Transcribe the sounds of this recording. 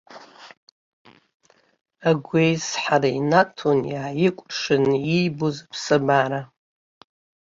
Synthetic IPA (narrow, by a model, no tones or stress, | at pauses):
aɡʷejsħaɾainatʰonjaːjɪkʷʼʂɨnijbuzapʰsɨbaɾa